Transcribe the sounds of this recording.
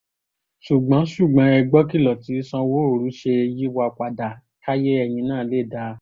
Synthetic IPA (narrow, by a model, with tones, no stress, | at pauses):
ʃu˨ɡ͡bã˨˦ʃu˦˨ɡ͡bã˨˦ɛ˧ɡ͡bɔ˦ki˦˨lɔ˨ti˨˦sɔ̃˧wo˦o˨ɾu˨˦ʃe˧ji˦wa˧k͡pa˧˨da˨ | ka˦je˦ɛ˧j̃ĩ˧nãː˦˨˦le˦˨da˧˦